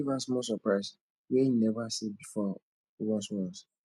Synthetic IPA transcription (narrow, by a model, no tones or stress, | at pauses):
ivãsmɔsɔpɹaɪs | wɛjinɛvasibifɔ | wɔ̃swɔ̃s